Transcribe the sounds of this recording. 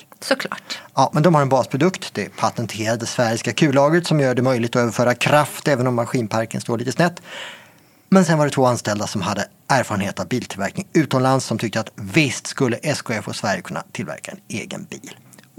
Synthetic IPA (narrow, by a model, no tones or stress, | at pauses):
sɔkʰlɑ̰ːɑːmɛnd̪ɔmhaɾɛnbɑːspʰɾʊd̪ɵkt̪d̪ɛpʰat̪ɛnt̪ʰeːɾad̪əd̪ɛsvæɾɪskakʰʉ̟ːlɑːɡət̪sɔmjœːɖɛmœjlɪɡt̪ɔøːvəɾfœːɾakʰɾaft̪ɛːvənɔmːaɧiːnpʰaɾkənst̪oːɭiːt̪əsnɛt̪ː | mɛnsɛnvaɖɛt̪ʰvoːanst̪ɛld̪asɔmɦad̪ːə | æːɾfɑːɾənheːt̪avbiːlt̪ʰɪlvæ̰ɾknɪŋʉ̟ːt̪ɔnlansːɔmt̪ʰʏk̚t̪əat̪vɪst̪skɵlːəʔɛskʊɛfo̰svæɾjəkʰɵnːa̰t̪ʰɪlvæ̰ɾkaɛ̰nḛːɡə̰nbiːl